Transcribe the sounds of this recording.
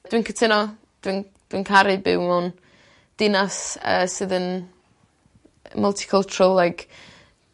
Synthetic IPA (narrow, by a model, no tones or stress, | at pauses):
d̥wiːnkʰətʰɪnɔ | d̥win | d̥winkʰaɾɨbɪ̰wmɔn | d̥ɪnasə̰ːsɨðən | məlˠtʰi̥kʰəlˠt͡ʃʰʊɾəlˠlajkʰ